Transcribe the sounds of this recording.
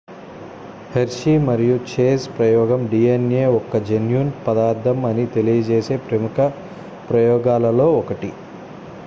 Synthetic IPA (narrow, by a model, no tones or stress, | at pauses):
heɾʂimɐɾijut͡ʃeːspɾɐjɔːɡɐmɖiːeneːɔkːɐd͡ʒenjunpɐd̪aːɾd̪ɐmɐnit̪e̞lijɐt͡ʃeːse̞ːpɾɐmukɐ | pɾɐjɔːɡaːlɐlo̞ːɔkɐʈi